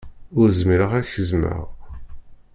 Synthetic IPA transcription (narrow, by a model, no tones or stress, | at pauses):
ʊɾzmiɾəʁæçəzmə̰ʁ